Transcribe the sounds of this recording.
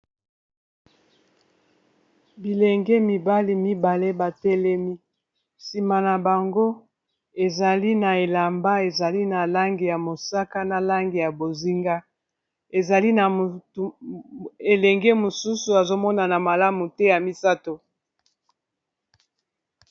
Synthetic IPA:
bi˨lɛ˨ŋɡɛ˦mi˨ba˦li˨mi˦ba˨le˦ba˨tɛ˦lɛ˦mi˦ | si˨ma˨na˨ba˨ŋɡo˦ | e˨za˨li˦na˨e˨la˨mba˦e˨za˨li˦na˨la˦ŋɡi˨ja˨mo˨sa˦ka˦na˨la˦ŋɡi˨ja˨bo˨zi˦ŋɡa˦ | e˨za˨li˦na˨ | e˨lɛ˨ŋɡɛ˦mo˨su˦su˨a˨zo˦mɔ˦na˨na˨ma˨la˦mu˨tɛ˦ja˨mi˦sa˦to˨

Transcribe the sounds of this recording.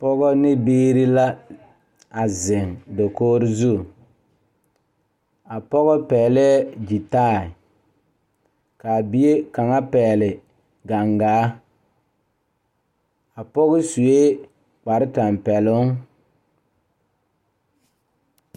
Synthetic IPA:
pɔ˦ɡɔ˦nɪ˦beː˦ɾi˦la˦ | a˨zɪ˨ŋdo˨koː˦ɾɪ˦zu˦˨ | a˨pɔ˦ɣɔ˦pɛː˨lɛ˦d͡ʒi˨taː˦˨ɪ˨ | ka˨bi˦e˦ka˨ŋa˦pɛː˨lɪ˨ | ɡa˨ŋɡaː˨˦ | a˨pɔ˦ɣɪ˦su˨e˦ | k͡pa˨ɾɪ˦ta˨mpɛ˨lʊ˦ŋ

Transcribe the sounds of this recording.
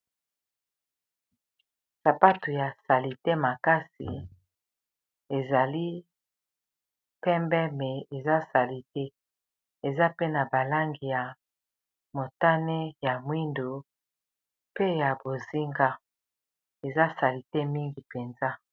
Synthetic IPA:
sa˨pa˦tu˨ja˨sa˨li˨te˦ma˨ka˦sḭ˨ | e˨za˨li˦ | pɛ˦mbɛ˦mɛ˨e˨za˦sa˨li˨te˦ | e˨za˦pe˦na˨ba˨la˦ŋɡi˨ja˨ | mo˨ta˦nɛ˦ja˨mwi˦ndo˨ | pe˦ja˨bo˨zi˦ŋɡa˦ | e˨za˦sa˨li˨te˦mi˦ŋɡi˨pe˨nza˦

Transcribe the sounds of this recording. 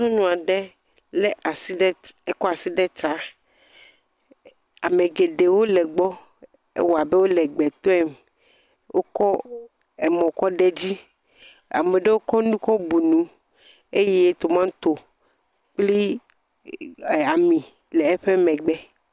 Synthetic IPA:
ɔ̃˦nũ˨a˨ɖɛ˦ | le˦ʔa˨si˦e˦kɔ˦a˨si˦ɖɛ˦t̪a˦ | a̰˨me˨ɡe˨ɖe˨wo˦lɛ˨ɡ͡bɔ˦ | ḛ˦wɔ˨a˨be˦wo˦lɛ˨ɡ͡bɛ˨t̪ɔ˦ɛ˦m | wʔo̰˦kɔ˦ | ɛ˨mɔ̃˨kɔ˦ɖɛ˦d͡ʑi˦ | a̰˨me˨ɖe˦wo˦kɔ˦nũ˦kɔ˦bu˨nũ˨ | e˦je˦t̪o˨mã˦t̪o˨ | k͡pli˦˨ | a˨mĩ˨ | le˨ɛ˦ɸe˦mɛ̃˨ɡ͡bɛ˦

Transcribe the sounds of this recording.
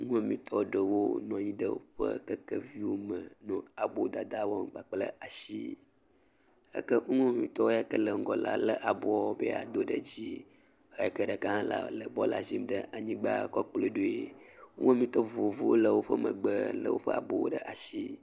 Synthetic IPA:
ŋũ˦a˨mĩ˨t̪ʰɔ˦ɖə˨wo˦nɔ̃˨ɲĩ˦ɖə˦wo˦ɸə˦kə˦kə˦vi˦wo˦mə̃˨nɔ̃˨a˨bo˦d̪a˨d̪a˦wɔ˦m˨ɡ͡ba˨k͡plə˦ʔa˨ʃi˦ | ə̰˦kə˦ŋu˦ŋũ˦a˨mĩ˨t̪ɔ˦wo˦ja˦kə˦lə˨ŋ̩˨ɡɔ˨la̰˨lə˦ʔa˨bo˦a˦o˦bḛ˦a̰˨d̪o˦ɖə˨d͡ʑi˦ | e˦ja˨kə˦ɖə˨kã˦la̰˨lə˨bɔ˦la̰˨zi˦mɖə˦ʔa˨ɲĩ˦ɡ͡ba̰˦˨kɔ˦k͡plo˦ɖo˦e˨u˦ũ˦a˦˨mĩ˦t̪ɔ˦vo˨vu˦wo˦lə˨wo˦ɸə˦mə̃˨ɡ͡bə˦lə̰˨wo̰˦ɸə˦a˨bo˦wo̰˦ɖə˦ʔa˨si˦

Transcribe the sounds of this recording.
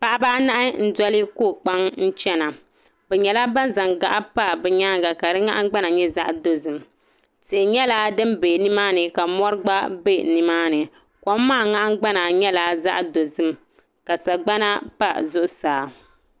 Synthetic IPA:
pa˨ʔa˦ba˦ʔna˦ʔɪ˦n̩˦dɔ˦lɨ˦koː˦˨k͡pa˦ŋn̩˦t͡ʃɛ˦na˨ | bɛ˨ɲɛ˨la˦ba˦n˦za˨ŋɡa̰˨ʔa˦pa˦bɛ˨ɲaː˦ɡa˨ka˨dɨ˦ŋa̰˦ʔɡ͡ba˦na˨ɲɛ˦za̰˦ʔdo˨zɨ˨m | tɨ˨ʔɲɛ˦la˦dɨ˦mbe˨nɨ˦maː˦nɨ˨ka˨mɔ˦ɾɨ˦ɡ͡ba˦be˦nɨ˨maː˦nɨ˨ | kɔ˦m˦maː˦˨ŋa˦ʔŋ˦ɡ͡ba˦na˨ɲɛ˦la˨za̰˦ʔdo˨zɨ˦m | ka˨sa˨ɡ͡ba˦na˦pa˦zʊ˦ʔʊ˦saː˨

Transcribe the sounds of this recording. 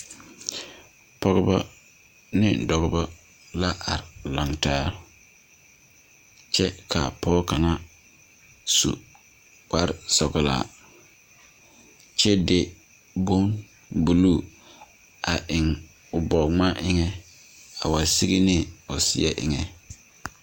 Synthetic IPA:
pɔ˦ɣɔ˦bɔ˦ | nɪ˦dɔ˨ɣɔ˦bɔ˦ | la˦ʔa˨ɾla˨ŋtaː˦ | t͡ʃɛ˦kʰa˨pɔː˦ka˨na˦ | sṵ˨ | wa˦ɾsɔ˨ɡɪ˨la̰ː˨ | t͡ʃɛ˦de˦ | bo˦n | bu˨luː˦˨ | a˨ʔɪ˨ŋ | ʊ˨bɔ˨ŋ͡ma˦ʔɪ˦ŋɛ˦ | a˨wa˨si˦ɡi˦nɪ˦ʊ˨sɪ̰˦ɛ˦ʔɪ̰˨ŋɛ˨

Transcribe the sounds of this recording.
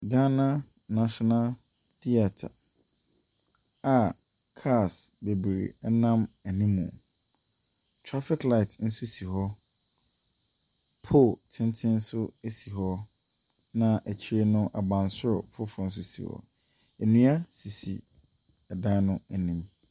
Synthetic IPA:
da˦nã˦ | nã˨ɕɔ˨na˦l | θi˦a˨tʰa̰˨ | a˨ | kʰa˦˨sbe˨bɾḛ˨ɛ˦nã˦mæ˨nĩ˦mːṵ̃˨ | tʰɹɾa˦fɪ˦kla˦ɪ˨tn̩˦sʊ˦si˨ɦɔ˦ | pʰo˦˨tʰɪ̃˦ntʰɪ̃˦n̩˦sʊ˦e˦˨si˨ɦɔ˦ | nã˦ʔæ˨t͡ɕʰi˦ɾe˦nʊ̃˦ʔa̰˨bã˨nsʊ˦ɾpʰʊ˦fɔ˨n̩˦s̬ʊ˦sḭ˨hɔ̰˦ | æ˨nũ˦a˦si˨sḭ˨ | ɛ˨dã˦nʊ̃˦æ˨nĩ˦m

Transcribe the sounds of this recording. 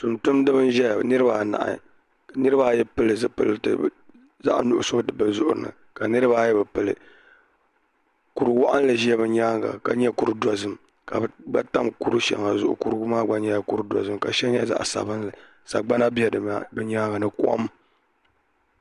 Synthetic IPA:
tʊ˨ntʊ˦mdɨ˦bɨ˦n˦ʒɛ˦˨nɨ˦ɾɨ˦ba˨na̰˨ʔa̰˨ | nɨ˦ɾɨ˦ba˦˨jɛ˦pɨ˦lɨ˨zɨ˦pɨ̰˦ltɨ̰˨˦ | za̰˦ʔnʊ˨ʔʊ̰˨so˦dɨ˨bɨ˨zʊ˦ʔʊ̰˨ɾɨ˨nɨ̰˨ | ka˨nɨ˦ɾɨ˦ba˦jɛ˦bɨ˨pɨ˨lɨ̰˨ | ku˨ɾɨ˨wa˦ʔa˦n˦lɨ˨ʒi˦ɛ˦βɛ˨ɲaː˦ŋɡa̰˨ka˨ɲɛ˦ku˦ɾdɔ˨zɨ˨m | ka˨˦ɡ͡ba˦ta˦mku˦ɾu˦ʃɛ̰˨ŋa˨zʊ̰˦ʔʊ̰˨ku˦ɾɡʊ˦maː˦ɡ͡ba˦ɲɛ˦ja˦ku˦ɾdɔ̰˨zɨ˦mka˨ʃɛ˦ɲɛ˦za̰˦ʔsa̰˨bɨ˦nlɨ˨ | sa˨ɡ͡ba˦na˦bi˦ɛ˨dɨ˨ma̰˨˦bɨ˦ɲaː˦ŋɡa˨nɨ˦ku˦ʔa̰˦m˦

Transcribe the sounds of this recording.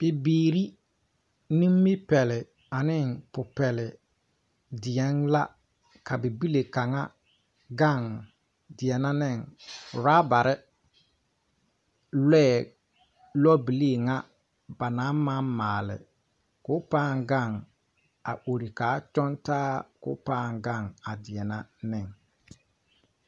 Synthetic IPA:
b̥ɪ˨biː˨ɾi˦ | ni˦mː˦ɪ˦pɛ˨lɪ˨ | a˨nɪ˦˨ŋpʊ˨pɛ˨lɪ˨ | dɪ˨ɛ˨˦nla˦ | ka˨bɪ˨bi˦le˨ka˨ŋa˦ | ɡa˦˨ŋ | dɪ˨ɛ˨na˦nɪ˦˨ŋ˨ɾaː˦ba˨ɾɪ˦ | lɛː˦˨ | lɔ˦bi˨le˦˨ŋa˦ | ba˨na˨˦ma˦maː˨lɪ̰˨ | kʊ˦paː˦˨ŋɡa˦˨ŋ | a̰˨ʔo˨ɾi˨kaː˨˦t͡ʃɔ˦ntaː˦kʊ̰˦paː˦˨ŋɡa˦˨ŋa˨dɪ˨ɛ˨na˦nɪ˦˨ŋ

